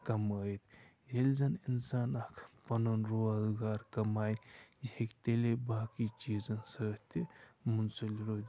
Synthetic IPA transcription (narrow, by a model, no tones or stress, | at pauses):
kɐməjt̪ | jelzɐninsaːnɐkʰpɐnonɾoazɡaːɾkɐmaːjjihekt̪elebaːkit͡ʃiːzɐnsət̪emunsɐliɾoː